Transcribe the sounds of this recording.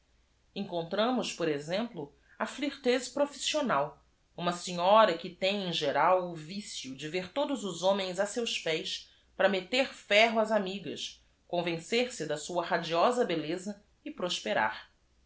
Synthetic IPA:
ẽŋkõnt̪ɾɐ̃mʊʃpoɾezẽmplʊ | ɐfliɾt̪ezpɾofi̥sionaw | ũmɐseɲɔɾɐkɪt̪ẽj̃ẽʒeɾawʊvisjʊd͡ʒɪveɾt̪od̪ʊzʊzõmẽj̃zasewspɛjs | pɾɐmet̪eɾfɛɦʊazamiɡɐ̰ʃ | kõvẽseɾsɪd̪ɐsuɐhad͡ʒiɔzɐbelezɐ | ɪpɾoʃpeɾa̰ɾ

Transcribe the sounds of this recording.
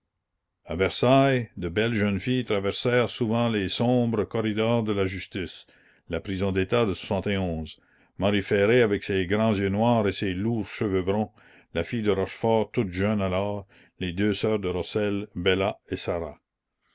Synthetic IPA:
avɛʁsajd̪əbɛlʒœnfijt̪ɾavɛʁsɛːʁsuvɑ̃lesɔ̃bɾəkɔɾid̪ɔːʁd̪əlaʒyst̪is | lapɾizɔ̃d̪et̪ad̪əswḁsɑ̃t̪eɔ̃ːz | maɾifɛɾeavɛkseɡɾɑ̃zjønwaːʁeseluːʁʃəvøbɾɔ̃ | lafijd̪əɾɔʃfɔːʁt̪ut̪ʒœnalɔːʁ | led̪øːsœːʁd̪əɾɔsɛlbelaesaɾa̰

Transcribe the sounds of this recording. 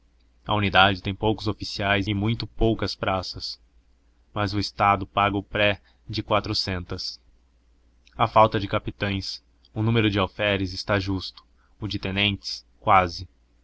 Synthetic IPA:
ɐunid̪ad͡ʒɪt̪ẽj̃powkʊzofisiajzɪmũj̃t̪ʊpowkɐspɾasɐs | mɐzʊɪst̪ad̪ʊpaɡɐʊpɾɛ | d͡ʒɪkwat̪ɾʊsẽnt̪ɐs | ɐfawt̪ɐd͡ʒɪkapit̪ɐ̃j̃s | ʊnũmeɾʊd͡ʒɪawfɛɾɪzɪst̪aʒust̪ʊ̥ | ʊd͡ʒɪt̪ẽnẽnt͡ʃɪ̥s | kwazɪ

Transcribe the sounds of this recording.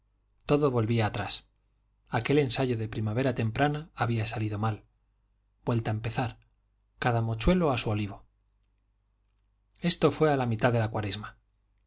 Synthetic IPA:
t̪o̞ðoβo̞lβiaːt̪ɾas | ake̞le̞nsaʝo̞ðe̞pɾimaβe̞ɾat̪e̞mpɾanaaβ̞iasaliðo̞mal | b̥we̞lt̪aempe̞θaɾ | kaðamo̞t͡ʃwe̞loasuoliβ̞o̞ | e̞st̪o̞fwe̞alamit̪aððe̞lakwaɾezma

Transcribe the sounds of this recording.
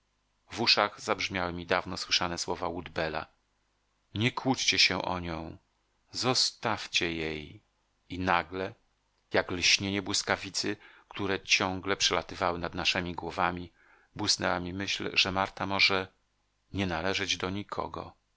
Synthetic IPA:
vuʂaɣzabʐmʲjawɘmʲid̪avnɔswɘʂanɛswɔvawud̪bɛla̰ | ɲɛkwut͡ɕt͡ɕɛɕɛʔɔ̰ɲɔ̃w̃ | zɔst̪aft͡ɕɛjej | inaɡlɛ | jaklɕɲeɲɛbwɘskavʲit̪sɘkt̪uɾɛt͡ɕɔŋɡlɛpʂɛlat̪ɘvawɘnad̪naʂɛmʲiɡwɔvamʲi | bwɘsnɛwamʲimɘɕlʐɛmaɾt̪amɔʐɛ | ɲɛnalɛʐɛd͡ʑd̪ɔɲikʰɔ̰ɡɔ̰

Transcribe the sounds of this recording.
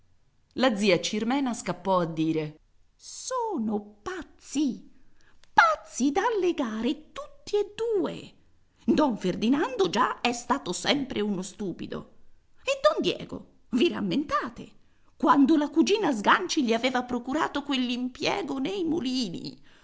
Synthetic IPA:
lad̪ziːat͡ʃirmɛːnaskapːɔad̪ːiːɾe | sɔːnopat̪sːi | pat̪sːid̪aːlːeɡaːɾet̪ut̪ːied̪ːuːḛ | d̪ɔɱferd̪inand̪od͡ʒaɛst̪aːt̪osɛmpɾeunost̪uːpḭd̪o̰ | ed̪ːɔnd̪jɛ̰ːɡo̰ | vira̰mːent̪aːt̪e | kwand̪olakud͡ʒiːnazɡant͡ʃiʎiavɛːvapɾokuɾa̰ːt̪okwelːimpjɛ̰ːɡonejmṵliːnḭ

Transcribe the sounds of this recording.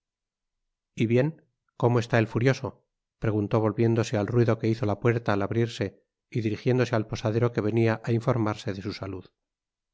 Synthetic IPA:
iβje̞ŋ | ko̞moe̞st̪ae̞lfuɾjo̞so̞ | pɾe̞ɣ̞unt̪o̞β̞o̞lβje̞nd̪o̞se̞alrwiðoke̞iθo̞lapwe̞ɾt̪aːlaβɾiɾse̞ | iðiɾixje̞nd̪o̞se̞alpo̞saðe̞ɾo̞ke̞β̞e̞niaʔaiɱfo̞ɾmaɾse̞ðe̞susaluð

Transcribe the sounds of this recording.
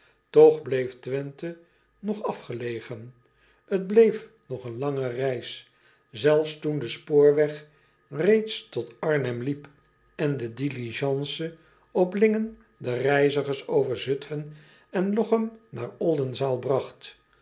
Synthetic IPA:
tɔχblejftʋɛntə | nɔχɑfχəlejχən | əd̚blejf | nɔχənlɑŋərɛjs | zɛlˠfstundəspoːɹʋɛχ | rejtstɔtɑɹnɛmlip | ɛndədiliʒɑnsə | ɔplɪŋən | dərɛjzəχəɹsowvəɹzɵtfən | ɛnlɔχəmnaːɹɔlˠdənzaːlˠbrɑχt

